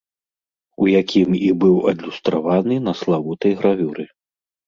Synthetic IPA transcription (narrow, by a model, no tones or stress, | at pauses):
ujakʲimibɨwɐd̪lʲust̪ɾavanɨnɐslˠavut̪ɐjɣɾavʲuɾɨ